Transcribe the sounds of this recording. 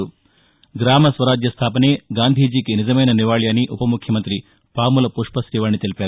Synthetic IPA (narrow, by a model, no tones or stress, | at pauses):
u | ɡɾaːmɐsʋɐɾaːd͡ʒ̪jɐst̪ʰaːpɐneːɡaːnd̪ʱiːd͡ʒiːkenid͡ʒɐmɐjnɐniʋaːɭjaːniʔupɐmukʰjɐmɐnt̪ɾi | paːmulɐpuʂpɐsɾiːʋaːɳːit̪elipeːɾ